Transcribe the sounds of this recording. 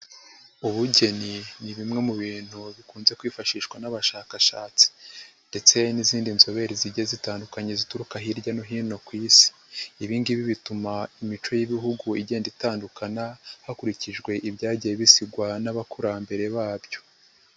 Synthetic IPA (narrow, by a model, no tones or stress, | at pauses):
uβuɟe̞niniβimŋe̞muβiːn̥huβikuːnze̞kwiːfaʃiːʃwanaβaʃaːkaʃaːt͡si̥nde̞t͡se̞niziːndinzo̞βe̞ɾiziɟezitaːndukaɲe̞zituɾukaɦiɾɟanoɦiːno̞kwiːsi̥ | iβiːndiβiβitumaimit͡ʃo̞jiβiɦuɡuiɟe̞ːnditaːndukanahakuɾiciʒɡwe̞ʔiβɟaːɟijeβisiɡwanaβakʰuɾambe̞ɾe̞βaːbjo̞̥